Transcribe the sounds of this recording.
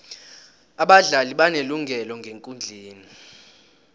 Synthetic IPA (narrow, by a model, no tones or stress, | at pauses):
aɓaɮaliɓaneluŋʱɛlɔŋɡʱeŋkʼund͡ɮʱiːni